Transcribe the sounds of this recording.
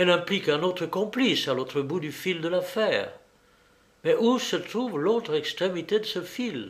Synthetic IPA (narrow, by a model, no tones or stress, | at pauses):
ɛlɛ̃plikɛ̃not̪χəkɔ̃plisalot̪χəbud̪yfild̪əlafɛːʁ | mɛʔusət̪χuvlot̪χɛkst̪χemit̪ed̪əsəfil